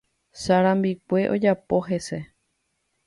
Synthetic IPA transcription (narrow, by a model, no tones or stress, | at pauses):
saɾãmbikʷe̞ʔo̞d͡ʒapo̞ɦe̞se̞